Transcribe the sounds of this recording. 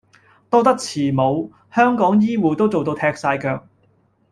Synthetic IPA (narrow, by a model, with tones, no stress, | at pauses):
t̪ɔː˥t̪ɐ˥k̚t͡sʰiː˨˩mo˨˧w | hœː˥ŋkɔː˨˥ŋjiː˥wuː˨˧t̪o˥wt͡so˨wt̪o˧wt̪ʰɛː˧k̚saː˧jkœː˧k̚